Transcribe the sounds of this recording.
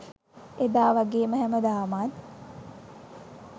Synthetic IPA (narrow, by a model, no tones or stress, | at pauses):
ed̪aːʋaɡeːməɦæməd̪aːmat̪